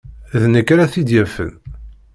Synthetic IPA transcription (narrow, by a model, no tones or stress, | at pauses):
ðnəkːɾaθid̪jæfə̰n